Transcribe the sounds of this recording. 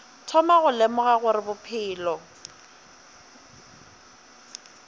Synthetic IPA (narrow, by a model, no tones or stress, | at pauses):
tʰɔmaɣʊlemʊɣaɣʊɾɪbʊpʰɪːlɔ